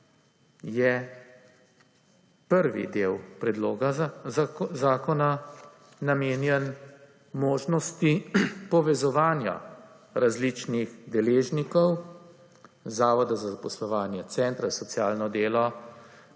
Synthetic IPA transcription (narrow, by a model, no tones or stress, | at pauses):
jɛ | pəɾʋḭd̪eːwpɾɛd̪loːɡa | zaːkɔnaː | ameːnjɛn | moːʒnɔst̪ipɔʋɛzɔʋaːnja̰ | ɾazlit͡ʃniɣd̪ɛleːʒnikɔw | zaːʋɔd̪azazapɔslɔʋaːnjɛt̪sɛːnt̪ɾasɔt̪sjaːlnɔd̪eːlɔ